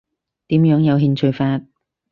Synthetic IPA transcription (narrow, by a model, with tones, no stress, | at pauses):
t̪iː˨˥mjœː˨˥ŋjɐ˨˧wɦiː˧nt͡ʃʰɵ˧ɥfaː˧t̚